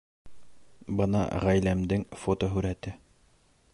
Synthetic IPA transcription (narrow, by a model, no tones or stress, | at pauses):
bɤnɑ̰ʁæjlæmd̪ɘŋfot̪oɦʉɾæt̪ɘ